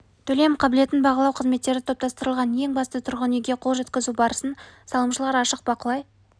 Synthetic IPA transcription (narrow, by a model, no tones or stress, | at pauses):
t̪ʰɵle̞mqʰɑbɪle̞t̪ɪnbɑʁəlˠɑwqʰəzme̞t̪ːe̞ɾɪt̪ʰo̞p̚t̪ɑst̪əɾəlˠʁɑnje̞ŋbɑst̪ət̪ʰʊɾʁəneɡʲe̞qʰo̞lˠʒe̞t̪kʲɪzubɑɾəsənsɑlˠəmʃəlˠɑɾɑʃəq̚bɑqəlˠɑj